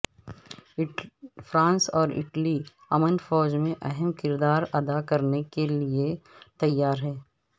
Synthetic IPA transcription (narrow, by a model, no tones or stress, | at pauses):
fɾãːnsɔːɾɪ̰ʈəli | ɐmənfɔːd͡ʒmẽʔɐɦɛmkɪɾd̪aːɾɐd̪akɐɾnekeliet̪ɐjːaːɾɦɛː